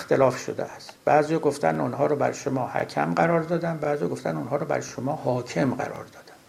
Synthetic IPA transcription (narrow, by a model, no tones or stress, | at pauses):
xt̪elɒːfʃo̰d̪ḛæst̪b̥æːzijɒːɡoft̪ʰænunɦɒːɾɔbæ̰ɾʃomɒːhæ̰cʰæmɢæɾɒːɾd̪ɒːd̪ænbæːzijɒɡoft̪ænunhɒːɾɔbæ̰ɾʃomɒːhɒːcʰe̞mɢæ̰ɾɒ̰ːɾd̪ɒːd̪æn